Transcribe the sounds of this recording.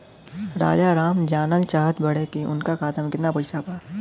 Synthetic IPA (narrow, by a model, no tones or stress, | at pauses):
ɾa̰ːd͡ʒaɾaːmd͡ʒaːnəlt͡ʃaːɦət̪bɐɽekeʔʊ̰nkakaːt̪ʰamẽkɪt̪napɐɪsapaː